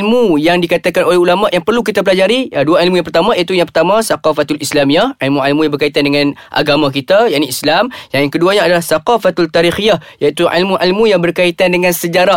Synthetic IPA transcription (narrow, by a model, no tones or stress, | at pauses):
lmujaŋdikat̪akanolɛhulamaʔjaŋpərluk̬it̪ap̬əlad͡ʒaɾiduaʕilmujãŋpərt̪amãjat̪ujaŋpərt̪amãsaqafat̪alislamiahʕilmũʕilmujaŋbərkait̪andəŋãnʔa̰ɡamãk̬it̪ajaʔniislamjaŋjaŋkəduaɲaadalahsaqafat̪alt̪aɾixijahjait̪uʕḭlmũʕilmũjaŋbərkait̪andəŋãnsəd͡ʒaɾa